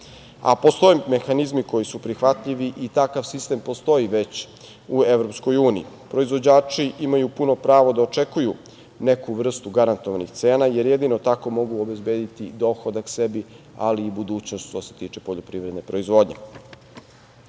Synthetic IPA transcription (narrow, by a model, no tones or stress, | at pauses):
a̰po̞st̪o̞jeme̞xanizmiko̞jisupɾixʋat̪ʎiʋiʔit̪akaʋsist̪e̞mpo̞st̪o̞iʋe̞t͡ɕ | ue̞ʋɾopsko̞juːnḭi | pɾo̞izʋo̞d͡ʑaːt͡ʂiʔimajupuno̞pɾaːʋo̞d̪aot͡ʃe̞kuju | ne̞kuʋr̩st̪uɡaɾant̪oʋanixt̪se̞ːnaje̞ɾjed̪inot̪ako̞mo̞ɡuobezbeːd̪it̪id̪o̞xod̪akse̞bi | a̰liːbud̪uːt͡ɕnost̪ʃt̪oset̪iːt͡ʃepo̞ʎopɾiʋɾed̪nepɾo̞izʋo̞ːd̪ɲḛ